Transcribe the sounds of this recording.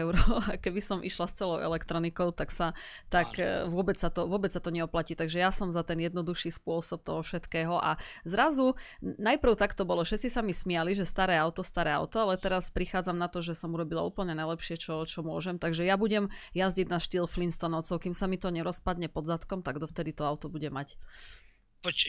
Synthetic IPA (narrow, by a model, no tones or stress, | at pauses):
ɛʊɾɔakɛbisɔmʔḭʃlast͡sɛlɔʊɛ̰lɛkt̪ɾɔnikɔʊt̪aksa | t̪akʋʊɔbɛt͡ssat̪ɔʋʊɔbɛt͡ssat̪ɔɲɛɔplaciːt̪aɡʒɛjasɔmzat̪ɛnjɛd̪nɔd̪uʃiːspʊɔsɔp̚t̪ɔɦɔfʃɛt̪kɛːɦɔʔa̰zɾazu | najpr̩ʊt̪akt̪ɔbɔlɔfʃɛt̪t͡sisamismɪaliʒɛst̪aɾɛːaʊt̪ɔst̪aɾɛːa̰ʊt̪ɔalɛt̪ɛɾaspɾixaːd͡zamnat̪ɔʒɛsɔmuɾɔbila̰ṵːpl̩ɲɛnajlɛpʃɪɛt͡ʃɔt͡ʃɔmʊɔʒɛmt̪aɡʒɛjabuɟɛmjazɟiɟnaʃt̪iːlflinst̪ɔnɔʊt͡sɔʊkimsamit̪ɔɲɛɾɔspad̪ɲɛpɔd̪zat̪kɔmt̪aɡd̪ɔft̪ɛd̪it̪ɔaʊt̪ɔbuɟɛmac | pɔt͡ʃ